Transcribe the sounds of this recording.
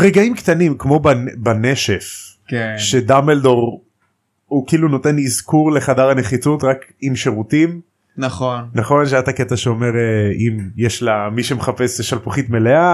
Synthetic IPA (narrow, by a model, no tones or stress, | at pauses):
ʁeɡaimkt̪animkmo̞banbaneʃef | keʃed̪ameldo̞ʁ | ukiiluno̞te̞nizkuʁle̞χadaʁane̞χit͡sutʁakimʃeʁutim | naχonnaχo̞nʃeataket̪aʃeome̞ʁeimjeʃlamiʃemeχapeseʃalpuχitmelea